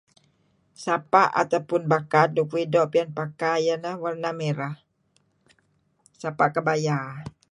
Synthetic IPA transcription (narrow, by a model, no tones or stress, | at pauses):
sapaʔa̰t̪awpʊnbakadukuidɔʔpianpakajənəhwarnameɾah | sapaʔkəbaja